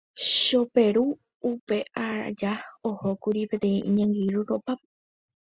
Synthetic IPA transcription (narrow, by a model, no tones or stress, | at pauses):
ʃopeɾuː | pe̞ʔaɾa̰d͡ʒaohokuɾipẽ̞t̪ẽ̞ĩʔĩɲãŋɡiɾuɾopap̚